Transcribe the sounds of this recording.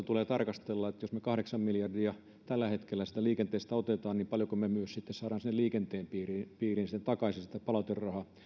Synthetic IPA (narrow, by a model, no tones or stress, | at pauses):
t̪uleːt̪ɑrkɑst̪elːɑet̪josmekɑhɾeksɑmmiljɑrdiɑ | t̪ælːæhet̪kelːæsit̪æliːkent̪eːst̪æot̪et̪ɑːnniːmpɑljokomemyøssit̪ːessɑːɾɑːnsinːeliːkent̪eːmpiːriːpiːrinsit̪ːent̪ɑkɑisinsi̥t̪ːæpɑlɑt̪errːɑhɑ